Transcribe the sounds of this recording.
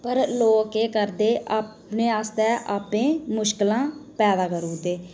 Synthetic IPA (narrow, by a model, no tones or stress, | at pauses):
pəɾloːkeːkəɾd̪eːʔaːpneːaːst̪ɛːʔaːpẽːmʊʃkəlãːpɛːd̪aːkəɾuːt̪eː